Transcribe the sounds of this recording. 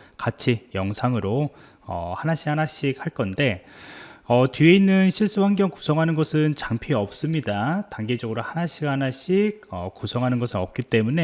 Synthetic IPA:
kat͡ɕʰijʌŋsʰaŋɯɾo | ʌ̰hanaɕʰikhanaɕ͈ik̚haɭk͈ʌnde̞ | ʌtieinːɯnɕʰiɭs͈ɯwaŋɡjʌŋku̥sʰʌŋɦanɯnɡʌsʰɯnt͡ɕaŋpʰiʌp̚s͈ɯmɲidataŋɡe̞d͡ʑʌɡɯɾohanaɕ͈ʰikhanaɕ͈iɡ̚ʌkusʰʌŋɦanɯnɡʌsʰɯnʌp̚k͈it͈e̞mune̞

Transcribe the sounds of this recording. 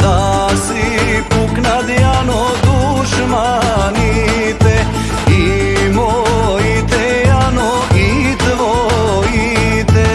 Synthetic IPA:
asipuknad̪jano | d̪u | ʃma | ni | t̪ɛ | imojit̪ɛ | jano | it̪ʋoi | t̪ɛ

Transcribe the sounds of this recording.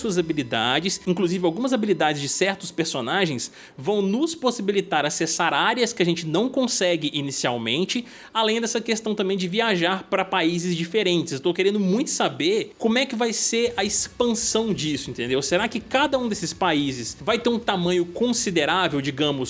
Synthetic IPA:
suɐzabilid̪a̰d͡ʒɪsĩŋkluzivɪawɡũmɐzabilid̪ad͡ʒɪzd͡ʒɪsɛɾt̪ʊspeɾsonaʒẽj̃s | vɐ̃w̃nʊsposibilit̪aɾasesaɾaɾiɐskɪɐʒẽnt͡ʃɪnɐ̃w̃kõsɛɡɪʔinisiawmẽnt͡ʃɪ | alẽj̃d̪ɛsɐkest̪ɐ̃w̃t̪ɐ̃mbẽj̃d͡ʒɪviaʒaɾpɾɐpaizɪzd͡ʒifeɾẽnt͡ʃɪsewt̪owkeɾẽnd̪ʊmũj̃t̪ʊ̥sabeɾkõmʊɛkɪvajseɾɐispɐ̃sɐ̃w̃d͡ʒisʊĩnt̪ẽnd̪ewseɾakɪkad̪ɐũd̪esɪ̥spaizɪsvajt̪eɾũt̪amɐ̃ɲʊkõsid̪eɾavewd͡ʒiɡɐ̃mʊs

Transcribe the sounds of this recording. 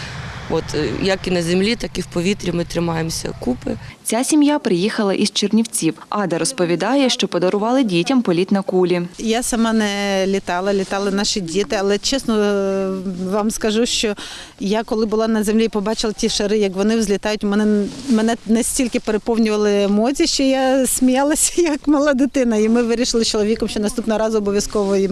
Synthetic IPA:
ɔt̪jɐkinɐzʲemlʲit̪ɑkiwpɔʋʲit̪ɾʲimɪt̪ɾɪmɑjemsʲɐ̰kupɪ̰t͡sʲasʲimjapɾɪjixɐlˠɐ̰ʔizt͡ʃernʲiwt͡sʲiwɑd̪ɐɾɔspɔʋʲid̪ɑjɛʃt͡ʃɔpɔd̪ɐɾʊʋɑlˠɪdʲitʲɐmpɔlʲit̪nɐkulʲijasɐmɑnɛlʲit̪ɑlˠɐlʲit̪ɑlˠɪnɑʃidʲit̪ɪɐlˠɛt͡ʃɛsnɔ | ʋɑmskɐʒuʃt͡ʃɔ | jakɔlˠɪbʊlˠɑnɐzemlʲipɔbɑt͡ʃɪlˠɐtʲiʃɐɾɪjɐkʋɔnɪwzʲlʲit̪ɑjʊtʲmɛnɛmɛnɛnɐsʲtʲilʲkɪpeɾepɔwnʲʊʋɐlˠɪmɔt͡sʲiʃt͡ʃɔjasʲmʲijɑlˠɐsʲɐ̥jɐkmɐlˠɑd̪ɪt̪ɪnɐimɪʋɪɾʲiʃɪlˠɪt͡ʃɔlˠɔʋʲikɔmʃt͡ʃɔnɐst̪upnɔɾɑzʊɔbɔʋʲjɐskɔʋɔji

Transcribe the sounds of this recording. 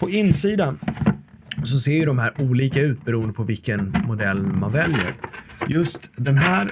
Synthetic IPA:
pʰɔɪnːsiːd̪an | sɔseːɾjɵd̪ɔmhæːɾuːliːkaʉ̟ːt̪̚bɛɾuːənd̪əpʰɔvɪlkənmʊd̪ɛlːma̰nvɛljə̰ɾjɵst̪d̪ɛnɦæːɾ

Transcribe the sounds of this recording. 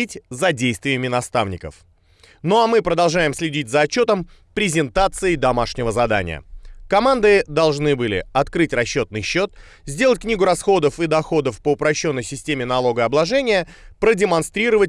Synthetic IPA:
itʲzɐdʲejst̪vʲɪɪmʲɪnɐst̪avnʲɪkə̰f | no̞ɐmɨpɾəd̪ɐlˠʐajɪmsʲlʲɪdʲitʲzəːt͡ɕːo̞t̪əm | pɾʲɪzʲɪnt̪at̪sɨɪd̪ɐmaʂnʲɪvəzɐd̪a̰nʲɪ̰jə̰kɐmand̪ɨd̪ɐlˠʐnɨbɨlʲɪ̰ɐt̪kɾɨtʲrɐɕːo̞t̪nɨjɕːo̞t̪̚ | zʲd̪ʲeətʲknʲiɡʊɾɐsxo̞d̪əfɨd̪ɐxo̞d̪əfpəʊpɾɐɕːo̞nːəjsʲɪsʲtʲemʲɪnɐlˠo̞ɡəɐblˠɐʐɛnʲɪjəpɾədʲɪmɐnst̪ɾʲiɾəvət̚ʲ

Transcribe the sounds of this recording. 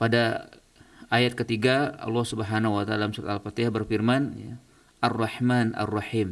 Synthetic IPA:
pada | ajat̪̚kət̪iɡaɑ̰lːɑhsubəɦanawat̪a̰lamsuɾa̰t̪alfat̪ehbərfirmanja | ʔarˤːɑħmanʔa̰rːɑħim

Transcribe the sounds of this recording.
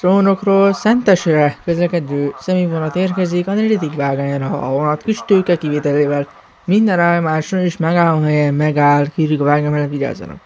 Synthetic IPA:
t̪roːno̞kroːlsɛnt̪ɛʃrɛkøzlɛkɛd̪øːsɛmeːvonɒt̪eːrkɛzikɒnɾelit̪ikvaːɡaːɲɾɒɦonɒt̪kiʃt̪øːkɛkiveːt̪ɛleːvɛl | mind̪ɛnaːjomaːʃoeːʃmɛɡaːlːomɦɛjɛnmɛɡaːlkiɾikvaːɡamɛlɛviɾa̰ːzo̰nɒ̰k

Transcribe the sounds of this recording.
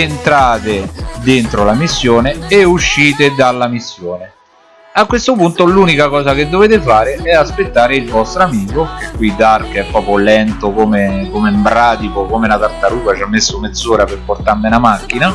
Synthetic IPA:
ent̪ɾaːt̪ed̪ent̪ɾolamisːjoːneːuʃːiːt̪ed̪alːamisːjoːne | akːwest̪opunt̪oluːnikakɔːzak̟ed̪ːoveːt̪ɪfaːɾeɛaspet̪ːaːɾeilvɔst̪ɾoamiːkok̟ekːwid̪arkɛpːɾɔːpolɛnt̪okomekomembɾaːd̪ipokomelat̪art̪aɾuːvat͡ʃamːesːomed̪zːɔːɾaperport̪amenamakːina

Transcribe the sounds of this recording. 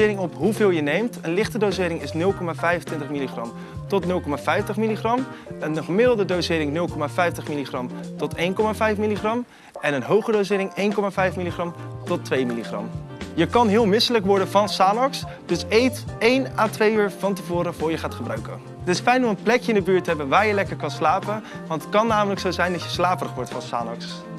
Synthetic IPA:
ɪːɾɪŋɔpɦuvɪːlˠjənejmtənlɪχtədowzɪːɾɪŋɪsnɵlˠkɔmaːvɛjfəntʋɪntəχmiliχrɑ̰m | tɔtnɵlˠkɔmaːvɛjftəχmiliχrɑm | ənχəmɪdlˠdədowzɪːɾɪŋnɵlˠkɔmaːvɛjftəχmiliχrɑmtɔtejnkɔmaːvɛjfmiliχrɑm | ɛnənɦowχədowsɪːɾɪŋejnkɔmaːvɛjfmiliχrɑmtɔtʋejmiliχrɑ̰mjəkɑnɦɪːlˠmɪsələkʋɔɹdənvɑnsaːnɑks | d̥ɵsejtejnaːtʋejyːɹvɑntəvʊːɾəvʊːɹjəχaːtχəbra̰ɥkə̰n | ətɪsfɛjnɔmənplɛkjəɪndəbyːɹtɦɛbənʋaːɹjəlɛkəɹkɑnslaːpənʋɑntət̚kɑnːaːmələksowzɛjndɑtcjəslaːpərəχʋɔɹtfɑnsa̰ːnɑ̰ks

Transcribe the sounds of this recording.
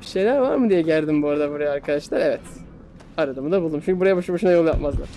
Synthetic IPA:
biʃe̞jlʲæɾvaɾmɯd̪ijɛɟælʲd̪imbuaɾad̪abuɾajaːɾkʰad̪aʃlˠaɾevɛt̪ | aɾad̪ɯmud̪abulˠd̪umt͡ʃʰyɲcybuɾajaboʃboʃunajo̞lˠja̰pmazlˠa̰

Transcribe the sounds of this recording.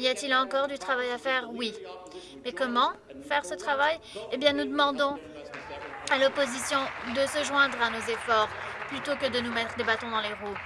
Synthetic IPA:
ijat̪ilɑ̃kɔʁd̪yt̪χavajafɛʁwi | mɛkɔmɑ̃ | fɛʁsət̪χavaj | ebjɛ̃nud̪əmɑ̃d̪ɔ̃ | alɔpozisjɔ̃d̪əsəʒwɛ̃d̪ʁanozefɔʁplyt̪okəd̪ənumɛt̪χəd̪ebat̪ɔ̃d̪ɑ̃leʁu

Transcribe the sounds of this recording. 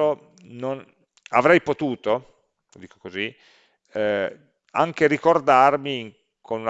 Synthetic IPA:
o | non | a̰vɾɛjpot̪uːt̪o | d̪iːko̥kozi | a̰ŋkeɾikord̪armiŋ | kʰonun

